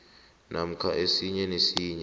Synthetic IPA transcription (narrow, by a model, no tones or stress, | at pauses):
nʔam̩kʰaʔesiɲɛnesiːɲɛ